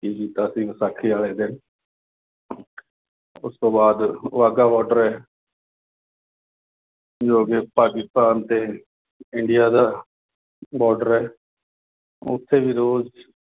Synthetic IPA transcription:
kiːkiːt̪aːsiːɡsaːkʰiːaːleːd̪ɪn | ʊst̪õːbaːd̪ʋaːɡaːbɔːɖəɾɛː | d͡ʒoːkeːpaːkɪst̪aːnt̪eː | ɪɳɖɪjaːd̪aː | bɔːɖəɾɛː | ʊ̰t̪ʰːeːʋiːɾoːz

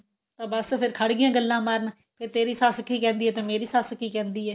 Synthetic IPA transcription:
t̪ãːbəspʰɪɾkʰəɽɡɪjãːɡəlːãːmaːɾn | pʰɪɾt̪eːɾiːsaːsəkiːkɛ̃ːnd̪iːɦɛːt̪ẽːmeːɾiːsaːsəkiːkɛ̃ːnd̪iːɛː

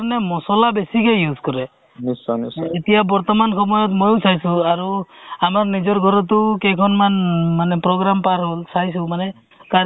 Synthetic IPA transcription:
nemɔsɔlabesikejuzkɔɾɛ | niset̪ijabɔɾt̪ɔmankʰɔmɔjɔt̪mojosʰajsũaɾuamaɾnid͡ʒɔɾɡʱɔɾɔt̪̬ukekʰɔnmanmanepɾoɡɾampaɾɦolsajsũmane | ka

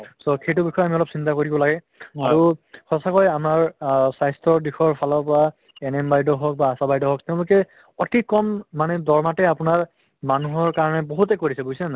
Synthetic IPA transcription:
sɔxejtʊbixʰɔjamiɔlɔpsintakoɹibɔlaɡɛ | aɹuxɔsakɔjamaɹsajstɔɹdixʰɔɹpʰalɔpa | ɛnɛmbajdɔɦɔk̚baːsabajdɔɦɔk̚tɛʊ̃lʊkɛ | ɔtikːɔmːanɛdɔɹmatɛapʊnaɹ | manuɦɔɹkaɹɔnɛboɦutɛkoɹisɛbojsɛna

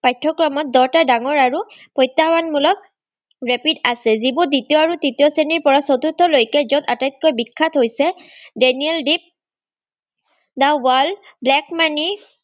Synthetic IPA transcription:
pajtʰːɔkɹɔmɔt̚dɔɹtadaŋɔɹaɹupɔjtːawanmulɔk̚ | ɹepidasɛzibuditiɔaɹuditiɔseniɹpɔɹasɔtutʰːɔlojkɛzɔtatajt̚kojbikʰːatʰɦojsɛdeniɛldip̚ | dawal | blɛkmani

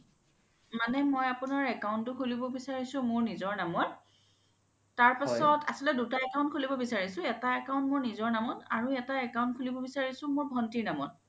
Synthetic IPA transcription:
manɛmɔjapʊnaɹɛkawntʊkʰulibɔbisaɹisʊ̃mʊɹnizɔɹnamɔn | taɹpasɔtʰa̰sɔlɛdutaɛkawʊ̃nt̚kʰulibɔbisaɹisʊ̃ɛtaɛkaw̃ntmʊɹnizɔɹnamɔna̰ɹuɛtaɛkaw̃nt̚kʰulibɔbisaɹisʊ̃moɹbʱɔntiɹnamɔt

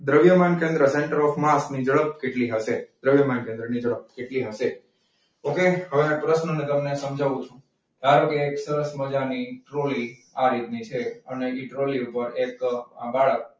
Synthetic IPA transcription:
d̪ɾəʋjəmankẽnd̪ɾəseɳʈəɾɔfmasnid͡ʒəɭəp̚keʈliɦəʃed̪ɾəʋjəmankẽnd̪ɾənid͡ʒəɭəp̚keʈliɦəʃe | okeɦəʋepɾəʃnənet̪əmnesəmd͡ʒʱaʋũt͡ʃʰũ | t̪aɾokeːksəɾəsməd͡ʒaniʈɾoliaɾit̪nit͡ʃʰeəneiʈɾoliupəɾeka̰baɭək̚

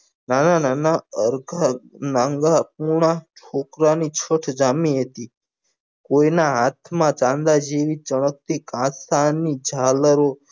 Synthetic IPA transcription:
nanananaəɾɡanaŋɡap̚uɽ̃at͡ʃʰokɾanit͡ʃʰəʈʰd͡ʒamiɦet̪i | koinaɦat̪ʰmãt͡ʃãnd̪ad͡ʒeʋit͡ʃəɽ̃ək̚t̪ikãsanid͡ʒʱaləɾo

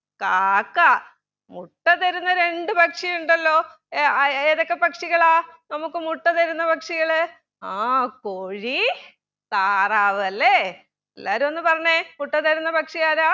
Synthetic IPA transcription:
kaːkːaː | muʈːɐt̪ɐɾunːɐɾe̞ɳɖɨbɐkʂijuɳɖɐlːo̞ː | eðo̞kːe̞pɐkʂiɣɐɭaːnɐmukːɨmuʈːɐt̪ɐɾunːɐpɐkʂiɣɐɭɨ | aːkoːɻi | t̪aːraːʋɐlːe | ḛlːa̰ːɾumonːɨpɐrɐɲːemuʈːɐt̪ɐɾunːɐpɐkʂijaːɾaː

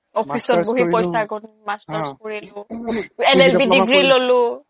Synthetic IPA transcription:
ɔpʰisɔt̚boɦipɔjsaɡɔn | mastɔskoɹilʊɛnelbidiɡɹilolʊ

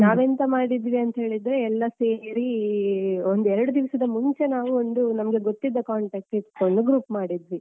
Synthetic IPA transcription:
naːʋent̪ɐmaːɽid̪ʋiɐnt̪ɐɦe̞ːɭid̪ɾe̞ɛlːɐseːɾi | ond̪uɛɾɐɽud̪iʋɐsɐd̪ɐmuɲt͡ʃe̞naːʋuond̪unɐmɐɡe̞ɡot̪ːid̪ːɐkaːɳʈeːk̚ʈit̪ko̞ɳɖuɡɾuːpmaːɽid̪ʋi

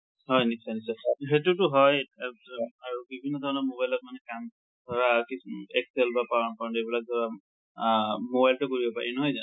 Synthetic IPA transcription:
hɔjniksanisɔɦetutʊɦɔj | aɹubibʱinːɔdʱɔɹnɔmobajlɔt̚manɛkam | dʱɔɹakiɛksɛlbapaɹɔnkɔɹɔntebilak̚dɔɹa | mobajltʊkoɹibɔpa̰ɹinɔɦɔjza

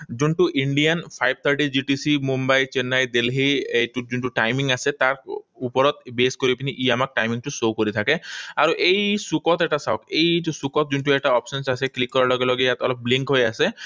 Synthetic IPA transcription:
d͡ʒuɳʈuʔiɳɖianpʰajb̚t̪ʰaɾʈid͡ʒiʈisimumbajt͡ʃenːajd̪elɦiejʈud͡ʒuɳʈuʈajmiŋaset̪aɾupɔɾɔt̪beskoɾipiniʔiamak̚ʈajmiŋʈusokoɾit̪ʰakeaɾuʔejsukɔt̪ɛk̚ʈasa̰ɔ̰kejusukɔt̪̚d͡ʒuɳʈuɛk̚ʈaɔpsɔnsaseklikːɔɾalɔɡelɔɡejat̪ɔlɔp̚bliŋkɦojase

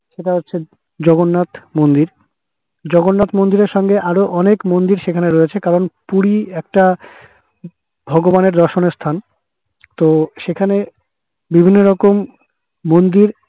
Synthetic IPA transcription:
ʃeʈaɦotːɕʰe | d͡ʑɔɡonːat̪mond̪iɾ | d͡ʑɔɡonːat̪mond̪iɾeɾʃɔŋɡeʔaɾoʔɔnekmond̪iɾʃekʰaneɾojet͡ɕʰekaɾonpuɾiɛk̚ʈa | bʱɔɡobaneɾd̪ɔɾʃoneɾst̪ʰan | t̪oʃekʰane | bibʱinːoɾɔkomː | ond̪iɾ

